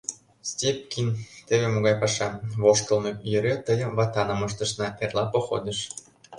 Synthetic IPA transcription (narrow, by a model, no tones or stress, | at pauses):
stʲep̚kʲint̪eβemoɣɑjpɑʃɑβoʃkɤ̆lnɤ̆jøɾʲøt̪əjɤ̆mβɑt̪ɑnɤ̆mɤ̆ʃ̬t̪ɤ̆ʃnɑʔerlɑpoxo̰d̪ə̆ʃ